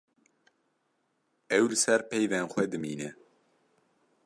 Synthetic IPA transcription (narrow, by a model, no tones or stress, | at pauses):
ɛwlɨsɛɾpɛjvɛnxʷɛd̪ɨmiːnɛ